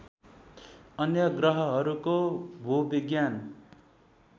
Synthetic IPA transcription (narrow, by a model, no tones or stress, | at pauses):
ʌnjʌɡrʌɦʌɦʌɾukobʱubiɡjan